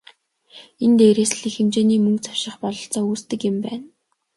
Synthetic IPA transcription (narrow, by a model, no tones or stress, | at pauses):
ent̪eːɾeːsɮiːxemt͡ɕeːniːmɵŋkt͡sʰḁwʃɪ̆χpɔɮɞ̆ɬt͡sɔːuːst̪ɘ̆kɪ̆mpæːn